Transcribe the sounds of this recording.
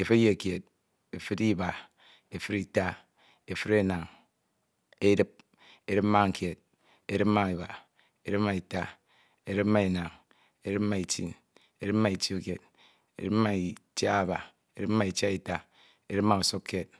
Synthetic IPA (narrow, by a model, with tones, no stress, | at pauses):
e˨fi˦je˦˨kje˨t̚ | e˨fɨ˦di˦ba˨ | e˨fɨ˦ɾi˦ta˦ | e˨fi˦ɾe˦˨na˨ŋ | e˦dɨ˦p̚ | e˨ɾɨ˦pma˦ŋ̩˨kje˨t̚ | e˦ɾɨ˦pma˦ŋi˨ba˨ | e˦ɾɨ˦pma˦i˨ta˦ | e˨ɾɨ˦pma˦e˨na˨ŋ | e˦ɾɨ˦p̚ma˦i˨tḭ˦n | e˦ɾɨ˦ma˦i˨t͡ʃi˦u˦˨kje˨d̚ | ḛ˨˦ɾɨ˦ma˦i˨t͡ʃa˦˨ba˨ | e˦ɾɨ˦p̚ma˦i˨t͡ʃja˦i˨ta˦ | e˦ɾɨ˦ma˦u˨so˦kːe˦t̚